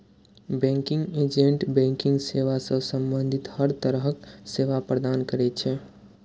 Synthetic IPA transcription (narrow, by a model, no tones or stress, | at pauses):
bɛ̃ŋkiŋɡed͡ʒeɳʈbɛ̃ŋkiŋɡseʋasə̃sə̃mbənd̪ʱit̪həɾt̪əɾəɦkseʋapɾəd̪ankəɾɛt͡ʃʰɛ